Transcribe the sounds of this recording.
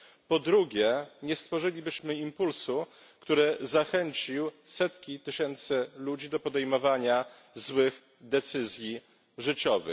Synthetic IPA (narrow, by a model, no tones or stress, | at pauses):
pɔd̪ɾuɡʲjɛɲɛst̪fɔʐɘlʲibɘɕmɘimpulsu | kt̪uɾɛzaxɛɲt͡ɕiwsɛt̪kʲit̪ɘɕɛnt̪sɛlud͡ʑid̪ɔpɔd̪ɛjmɔvaɲa | zwɘx | d̪ɛt̪sɘzʲji | ʐɘt͡ɕɔvɘ̰x